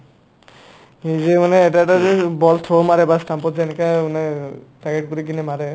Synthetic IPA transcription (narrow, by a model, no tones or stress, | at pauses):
izemanɛːʈaʈazebɔlt̪ʰɔmaɾɛbasʈampɔtzankauneʈaɡeʈ̚puɾiɡinimaɾɛ